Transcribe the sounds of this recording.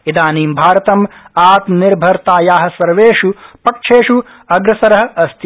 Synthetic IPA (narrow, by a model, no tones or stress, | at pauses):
id̪aːniːmbʱaːɾɐt̪ɐmaːt̪niɾbʱɐɾt̪aːjaːɦɐ̆sɐɾʋeːʂupɐkʂʰeːʂu | ɐɡɾɐsɐɾɐɦɐ̆ɐst̪ʰ